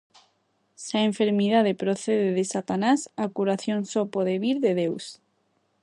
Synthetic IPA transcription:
saeɱfeɾmið̞að̞epɾoθeðeðesat̪anasakuɾaθjonsɔpoðeβiɾðeðews

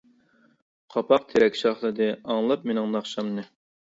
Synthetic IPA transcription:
qʰɑpʰɑq̚t̪ʰeɾɛkʲʃɑχlˠɨd̪ɨɑŋlˠɑp̚menɪŋnɑχʃɑmnɨ

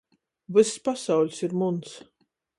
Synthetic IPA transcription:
vɨsspasawʎʲsiɾmuns

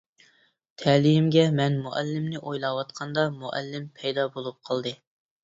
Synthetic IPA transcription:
t̪ʰɛlijɪmɡʲɛmɛnmuʔɛlːɪmnɪʔojlˠɑwɑt̪qʰɑnd̪ɑmuʔɛ̰lːɪmpʰɛjd̪ɑbolˠup̚qʰɑlˠd̪ɨ

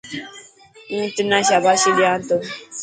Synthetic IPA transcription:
ŋ̩tɨnaʃ̬abaʃilianto

